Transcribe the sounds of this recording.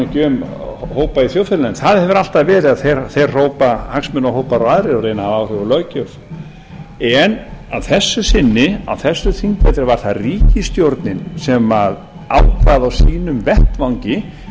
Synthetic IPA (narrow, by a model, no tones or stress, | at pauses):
cʏːm | hoːwpaiθjoːwfɾlnɛnθaðhɛvʏɾal̥t̪aðvɛːɾɪaðθejɾθejr̥r̥oːwpahaksmʏnːaɦowpaɾawaðɾɪɔɾejnahavaːwr̥ʏvʏlœcœf | ɛnaðθɛsːʏsɪnːɪa̰wθɛsːʏθiŋkvɛt̪ɾɪvaɾ̥θaðriːcɪst̪jowɾt̪nɪnsɛmað | a̰wkvaðawsiːnʏmvɛht̪vawɲcɪ